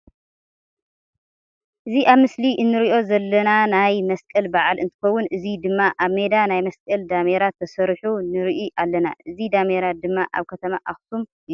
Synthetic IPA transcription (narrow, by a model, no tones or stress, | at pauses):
ʔɨziʔaβmɨsliʔɨnːɨɾiʔo̞zɐlːɐnanajmɐskʼɐlbaʕalɨnt̪ʰɨ̥xɐwːunɨzid̪ɨmːaʔaβme̞d̪anajmɐskʼɐld̪ameɾat̪ʰːɐsɐɾħunɨɾiʔiʔalːɐna̰ʔɨzid̪ameɾad̪ɨmːaʔa̰βkʰɐt̪ʰɐmaʔaxt̪ʰum